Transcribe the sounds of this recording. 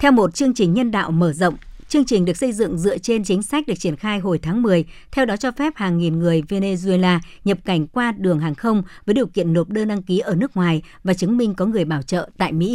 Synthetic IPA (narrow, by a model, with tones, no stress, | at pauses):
t̪ʰɛ˧wmo˨˩t̚t͡ɕɨ˧əŋt͡ɕï˨˩ŋ̟ɲə˧nɗa̰ː˧˨wməː˧˩zə̰˧˨wŋ͡mt͡ɕɨ˧əŋt͡ɕï̟˨˩ɗɨ˨˩ək̚sə˧jzɨ̰˧˨ŋzɨ̰˧˨ət͡ɕe˧nt͡ɕï˨˦ŋ̟sa˦˥k̚ɗɨ˨˩ək̚t͡ɕi˧˩ənxaː˧jɦo˨˩jt̪ʰaː˨˦ŋmɨ˨˩əj | t̪ʰɛ˧wɗɔ˨˦t͡ɕɔ˧fɛ˦˥p̚haː˨˩ŋːi˨˩nŋɨ˨˩əjve˧ne˧zu˧e˧laː˧ | ɲə˨˩p̚ka˧˩jŋ̟kwaː˧ɗɨ˨˩əŋɦaː˨˩ŋxə˧wŋ͡mvəː˨˦jɗi˨˩əwkḭ˧˨ənːo˨˩p̚ɗəː˧nɗa˧ŋki˨˦ʔəː˧˩nɨ˦˥ək̚ŋwaː˨˩jvaː˨˩t͡ɕɨ˨˦ŋmï˧ŋ̟kɔ˨˦ŋɨ˨˩əjɓaː˧˩wt͡ɕə̰ː˧˨t̪a̰ː˧˨jmḭ˧˥